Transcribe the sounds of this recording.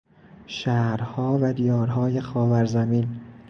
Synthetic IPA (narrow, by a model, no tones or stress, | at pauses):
ʃæːɾhɒːvæd̪ijɒːɾɦɒːjexɒːvæɾzæmiːn